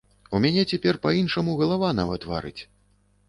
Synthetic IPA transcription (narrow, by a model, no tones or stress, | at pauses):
umʲanʲɛt͡sʲɛpʲɛrpɐinʂɐmuɣɐlˠavanavɐt̪va̰ɾɨ̰t͡sʲ